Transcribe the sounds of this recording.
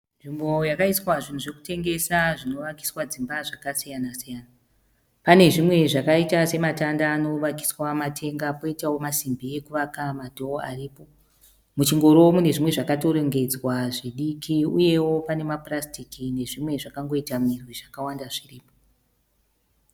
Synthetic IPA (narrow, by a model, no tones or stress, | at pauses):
nʐimbo̞jakaiswaʐin̤uʐe̞ku̥te̞ŋɡe̞saʐino̞ʋaki̥swad͡zimbaʐakasijanasijana | pane̞ʐimwe̞ʐakaitase̞matandaːno̞ʋaki̥swamatʰe̞ŋɡapo̞itawo̞masimbie̞kuʋakamadʱooa̰riːpo̞ | mut͡ʃiŋɡo̞ɾomune̞ʐimwe̞ʐakato̞ɾo̞ŋɡe̞d͡zwaʐiɗikʰiuje̞wo̞pane̞maprastikine̞ʐimwe̞ʐakaŋɡo̞itamirwiʐakawandaʐiriːpo